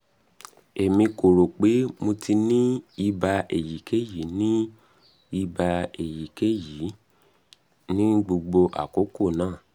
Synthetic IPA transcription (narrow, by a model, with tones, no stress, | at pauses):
e˨mĩ˧ko˨ɾo˨k͡pe˨˦mõ˧tʰi˧nĩ˦i˧ba˧e˨ji˨˦kʰe˦ji˨˦nĩ˦ | i˧ba˧e˨ji˨ke˦ji˨˦ | nĩ˦ɡ͡bo˧ɡ͡bo˧ʔa̰˨ko˨˦ko˦˨nãː˦˨